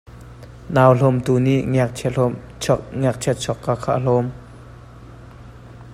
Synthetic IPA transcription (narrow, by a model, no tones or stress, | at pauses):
naːwɬɔmt̪uːniʔŋɛk̚ʰɛ | ŋɛk̚t͡ʃʰɛt̪̚t͡sʰɔkːaːkʰa̰ːʔl̥ɔm